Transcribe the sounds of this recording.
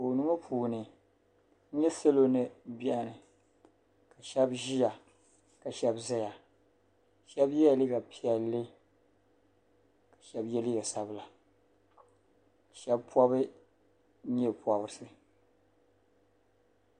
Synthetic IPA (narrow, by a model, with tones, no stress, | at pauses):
o˨nu˦ŋo˦pʰuː˨nɨ˨˦ | ɲɛ˦sa˦lo˦nɨ˨bɛ˦ʔnɨ˨ | ka˨ʃɛ˦bʒi˦ja˨ | ka˨ʃɛ˦bza˦ja˨ | ʃɛ˦bjɛ˦˨lɨ˦ɡa˨pʰi˦ɛ˨lːɨ˦ | kḁ˨ʃɛ˦bjɛ˦li˦ɡa˨sa˦bla˨ | ka˨ʃɛ˦bpwɔ˦βɨ˦ | ɲɛ˦pwa˨bɾsɨ˦